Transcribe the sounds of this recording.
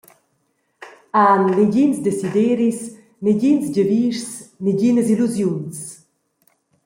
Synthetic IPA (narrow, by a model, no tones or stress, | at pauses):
anːiɟinsd̪esid̪eɾis | niɟinsɟəviːʃsniɟinəziluzjuns